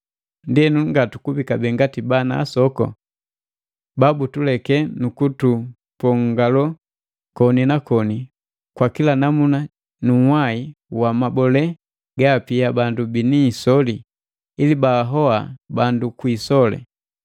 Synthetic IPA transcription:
ndiɛnuŋɡatukubikabɛŋɡatibana̰ːsɔkɔ̰ | babutulɛkɛnukutu | pɔŋɡalɔ | kɔninakɔni | kwakilanamuna | nuwaiwamabɔlɛ | ɡaːpiabandubiniːsɔli | ilibaːɦɔabandukwisɔlɛ̰

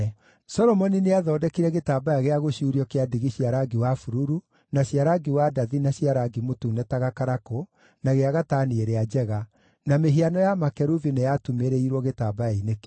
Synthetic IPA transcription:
sɔɾɔmɔnineaðɔːdɛkiɾɛɣetaːbajaɣeaɣoɕuːɾiɔkeadiɣiɕiaɾaɡiwafuɾuɾu | naɕiaɾaɡiwadaðinaɕiaɾaɡimotuːnɛtaɣakaɾako | naɣeaɣataːnieɾead͡ʒɛɣa | nameɦianɔjamakɛɾuvinejatumeɾɛiɾwɔɣetaːbajainek

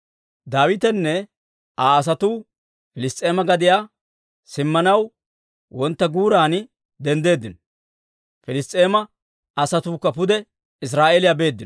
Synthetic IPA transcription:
d̪aːwɪt̪ɛnːɛ | aːs̬ɐt̪uː | fɪlɪst̪ʼe̞ːmɐɡɐd̪ɪjaː | sɪmːɐnɐw | wɔnt̪ːɐɡuːɾaːn | d̪ɛnd̪e̞ːd̪ːɪnɔ | fɪlɪst̪ʼːe̞ːmɐ | ɐsɐt̪uːkːɐpʊd̪ɛ | ɪs̬ɾaːʔeːlɪjaːbe̞ːd̪ːɪn

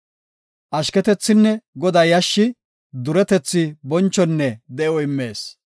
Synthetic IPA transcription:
ʔɐʃkɛt̪ɛt͡sːɪnːɛɡɔd̪ɐjɐʃːɪ | d̪ʊɾɛt̪ɛt͡sːɪbɔnt͡ʃːɔnːɛd̪ɛɔɪmːe̞ːs

